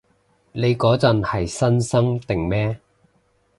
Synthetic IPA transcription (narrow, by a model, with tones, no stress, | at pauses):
ne˨˧jkɔː˨˥t͡sɐ˨nhɐ˨jsɐ˥nsɐ˥ŋt̪ɪ˨˩ŋmɛː˥